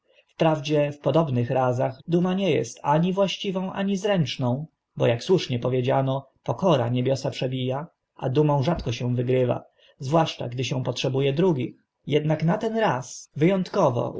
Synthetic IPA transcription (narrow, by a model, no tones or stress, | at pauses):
fpɾavd͡ʑɛfpɔd̪ɔbnɘxɾazaɣd̪umaɲɛjɛ̰st̪aɲivwaɕt͡ɕivɔ̃w̃ʔa̰ɲizɾɛnt͡ʂnɔ̃w̃ | bɔjakswuʂɲɛpɔvʲjed͡ʑanɔ | pɔkɔɾa̰ɲebʲjɔsapʂɛbʲija | ʔa̰d̪umɔ̃w̃ʐat̪kɔɕɛw̃vɘɡɾɘva̰ | zvwaʂt͡ʂa̰ɡd̪ɘɕɛ̃w̃pɔtʂɛbujɛd̪ɾuɡʲix | jɛd̪naknat̪ɛnɾasvɘjɔnt̪kɔvɔ̰